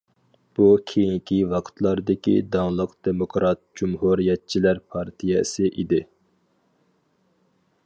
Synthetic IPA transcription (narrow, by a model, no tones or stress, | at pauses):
b̥ukʲʰejiŋkʲʰiwɑqʰt̪ʰlˠɑɾd̪ɪkʲḭd̪ɑŋlˠəqd̪̥emokʰɾɑt̪̚d͡ʒumɦuɾijɛt̪̚t͡ʃʰilæɾpʰɑɾt̪ʰijɛsɨʔid̪ɪ